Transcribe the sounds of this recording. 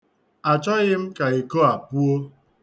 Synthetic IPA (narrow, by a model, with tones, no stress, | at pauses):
a˨t͡ʃɔ˦ɣɪ˦m̩˦ka˨i˨ko˦a˨pu˦o˦